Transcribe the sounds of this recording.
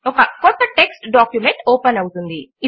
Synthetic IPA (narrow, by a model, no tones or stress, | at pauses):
ɔkɐkɔt̪ːɐʈe̞ksʈɖaːkjumeɳʈoːpɐnɐwut̪und̪ii